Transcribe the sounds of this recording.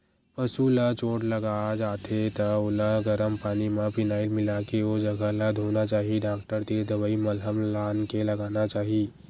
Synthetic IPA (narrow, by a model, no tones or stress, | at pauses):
pɐsulat͡ʃoːʈlɐɡaːd͡ʒaːt̪ʰet̪ɐʊlaɡəɾəmpaːnimãpɪnaːɪlmɪlakeod͡ʒɐɡəlad̪ʱɦoːnat͡ʃaːɦiɖaːk̚ʈəɾt̪iːɾd̪əbəimɐlɦəmlaːnkelɐɡaːnat͡ʃaːɦiː